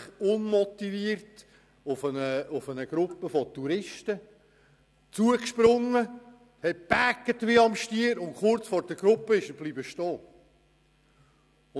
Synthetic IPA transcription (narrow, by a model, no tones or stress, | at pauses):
χʊnmɔtiviːrt | ʊfənəʊfənəɡ̥ɾʊpːəfɔtuɾɪʃtə | t͡suəkʃpɾʊŋːə | hɛt̚b̥ækːətʋiɑmʃtiːəɾʊntχʊrt͡sfɔːɾd̥əɡ̥ɾʊpːəɪʃəb̥liːbəʃtɔː | ʊ